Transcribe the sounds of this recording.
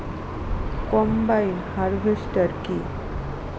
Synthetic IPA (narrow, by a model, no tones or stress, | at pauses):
kɔmbajnhaɾbʱesʈəɾki